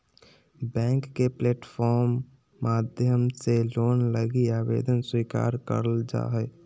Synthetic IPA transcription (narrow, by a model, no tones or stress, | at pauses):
bɛ̃ːŋkːepleːʈpʰɔːɾmː | aːd̪ʱjəmseloːnləɡiaːbḛːd̪ənswiːka̰ːɾkə̰ɾəld͡ʒa̰ːɦɛ